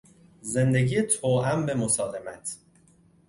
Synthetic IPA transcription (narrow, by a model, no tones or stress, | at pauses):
ze̞nd̪e̞ɡijet̪ʰoːʔæmbe̞mosɒːlemæt̪ʰ